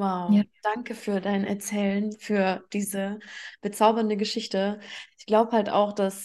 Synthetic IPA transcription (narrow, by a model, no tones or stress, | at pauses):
waʊd̥aŋkəfyːɐdaɪnʔɛ̰ɐt͡sɛːlənfyːɐd̥iːzəb̥ət͡saʊbɐndəɡəʃɪçtəʔɪçɡ̥laʊbəhalta̰ʊxd̥as